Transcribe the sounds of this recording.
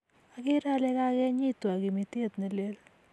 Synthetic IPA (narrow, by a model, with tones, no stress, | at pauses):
a˨ɡɪ˦ɾa˦lɛ˦ka˦ɡɛ˦ɲɪ˦t̪wa˨ɡɪ˨mi˨t̪e˦˨t̪nɐ˨le˦l